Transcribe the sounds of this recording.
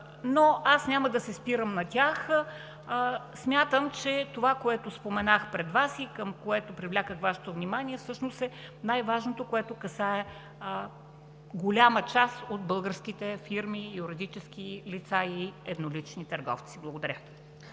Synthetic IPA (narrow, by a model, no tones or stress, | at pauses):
noasnʲaməd̪ɐsɛspiɾəmnɐt̪ʲax | smʲjat̪əmt͡ʃɛt̪ovakoɛt̪ospomɛnaxpɾɛd̪vasikəmkoɛt̪opɾivlʲakəxvaʃɛ̥t̪ovnimaniɛfsɤʃnosɛnajvaʒnot̪okoɛt̪okɐsaɛ | ɡolʲamət͡ʃasod̪̚bɤlˠɡəɾsk̟it̪ɛfiɾmiuɾid̪it͡ʃɛsk̟ʲilit̪saiɛd̪nolit͡ʃnit̪əɾɡɔ̰ft̪siblˠəɡod̪ɐɾʲə